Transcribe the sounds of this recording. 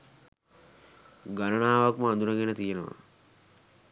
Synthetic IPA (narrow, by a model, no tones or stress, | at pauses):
ɡanənaːʋakməand̪unəɡenət̪ijenəʋa̰